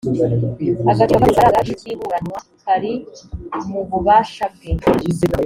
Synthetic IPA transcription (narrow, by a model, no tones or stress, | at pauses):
aɡatiamafaɾaɡaʃiciːβuɾanwa | haɾi | muβuβaːʃabɡeu